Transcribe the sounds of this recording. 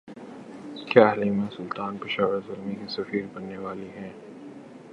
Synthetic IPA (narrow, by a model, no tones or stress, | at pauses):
ɪskʰeaːlimẽsʊlt̪aːnpɪʃaːʋəɾzʊlmikisɐfiːɾbɐnːeʋaːliɦɛ̃ː